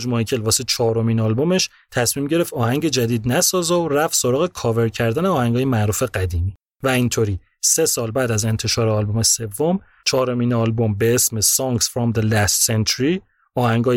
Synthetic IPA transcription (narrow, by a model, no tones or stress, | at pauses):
d͡ʒmɒjcʰe̞lvɒːset͡ʃʰɒːɾomiːnɒːlbomeʃ | t̪ʰæsmiːmɟe̞ɾe̞ft̪ɒːhæŋɟe̞d͡ʒæd̪iːd̪̚næsɒːzoræfso̞ɾɒːɣe̞kʰɒːve̞ɾcʰæɾd̪æneɒːhæŋɡɒːjemæɾuːfeɢæd̪iːmiː | væint̪ʰoɾiː | se̞sɒːlbæːd̪æze̞nt̪ʰe̞ʃɒːɾeɒːlbome̞se̞vːom | t͡ʃʰɒːɾomiːnɒːlbo̞mbe̞esmesɒŋɡsfɾɒmd̪elæst̪sent̪ʰoɾi | ɒːhæŋɡɒː